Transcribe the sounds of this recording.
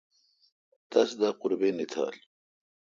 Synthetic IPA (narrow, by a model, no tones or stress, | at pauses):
t̪ɐsd̪aqʊɾbenit̪ʰa̰ːl